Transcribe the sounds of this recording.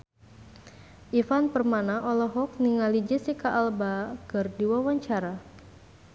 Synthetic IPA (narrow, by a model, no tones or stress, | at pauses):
ʔifanpərmanaʔɔlɔɦɔk̚niŋalid͡ʒisikaʔːlbakərdiwawaɲt͡ʃaɾa